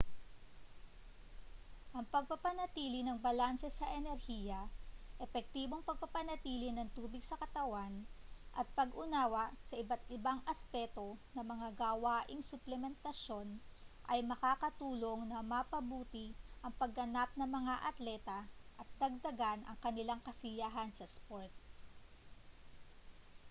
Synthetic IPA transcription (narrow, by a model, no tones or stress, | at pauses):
ʔɐŋpɐɡ̚pɐpɐnɐt̪iːlɪnɐŋbɐlansɛsɐʔɛnɛɾhiːjɐʔɛfɛk̚t̪iːbo̞ŋpɐɡ̚pɐpɐnɐt̪iːlɪnɐŋt̪uːbɪɡsɐkɐt̪ɐwanʔɐt̪̚pɐɡʔʊnaːwɐsɐʔɪbɐt̪ɪbaŋʔɐspɛt̪o̞nɐmɐŋaɡawaːʔɪŋsʊplɛmɛnt̪ɐʃo̞nʔɐjmɐkaːkɐt̪uːlo̞ŋnɐmɐpɐbuːt̪ɪʔɐŋpɐɡɐnap̚nɐŋmɐŋaʔɐt̪lɛt̪ɐʔɐt̪̚d̪ɐɡ̚d̪ɐɡanʔɐ̰ŋkɐnɪlaŋkɐsɪjaɦɐnsɐspoɹt̪̚